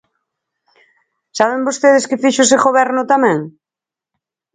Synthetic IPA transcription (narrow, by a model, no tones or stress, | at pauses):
saβ̞embost̪eð̞ɪskɪfiʃʊsɪɣoβɛɾnʊt̪amɛ̃ŋ